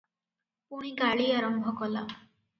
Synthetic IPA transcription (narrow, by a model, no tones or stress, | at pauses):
puɽ̃iɡaɭiaɾɔmbʱɔkɔla